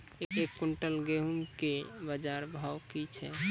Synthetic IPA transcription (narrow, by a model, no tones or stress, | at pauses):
ekːuɳʈəlɡeɦuŋkebəd͡ʒaɾbʱawkit͡ʃʰɛ